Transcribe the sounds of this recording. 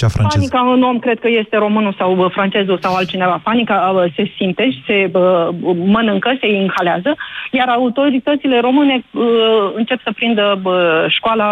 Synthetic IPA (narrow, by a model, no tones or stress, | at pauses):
t͡ʃafɾaanikaɨno̞mkɾe̞d̪̚kəje̞st̪e̞ɾo̞mɨnusawfɾant͡ʃe̞zusawalt̪̚t͡ʃine̞vapanikase̞simt̪e̞ʃi̥se̞əmənɨŋkəse̞inxaleazəjaɾaut̪o̞ɾit̪ət̪sile̞ɾo̞mɨne̞ | ɨnt͡ʃe̞psəpɾind̪əəʃkoala